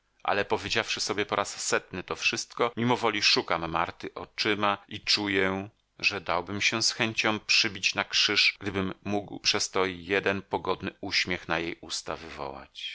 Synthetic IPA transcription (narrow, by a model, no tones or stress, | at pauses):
ʔa̰lɛpɔvʲjed͡ʑafʂɘsɔbʲjɛpɔɾʔasːɛt̪nɘt̪ɔfʂɘst̪kɔmʲimɔvɔlʲiʂukamːaɾt̪ɘʔɔt͡ʂɘmait͡ʂujɛ | ʐɛd̪awbɘmɕɛsxɛɲt͡ɕɔ̃m̃pʂɘbʲit͡ɕnakʂɘʂɡ̥d̪ɘbɘmːuɡwpʂɛst̪ɔjɛd̪ɛnpɔɡɔd̪nɘuɕmʲjɛxnajejust̪a̰vɘvɔ̰wa̰t͡ɕ